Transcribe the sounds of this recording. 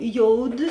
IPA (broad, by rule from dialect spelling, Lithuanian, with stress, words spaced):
ˈjoːʊˌdʲɪ